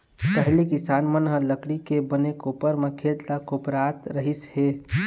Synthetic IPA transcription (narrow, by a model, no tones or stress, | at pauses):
t̪əɦlikisanmənɦə̃ləkɽikebənekopəɾmekʰet̪lakopɾat̪ɾəɦishe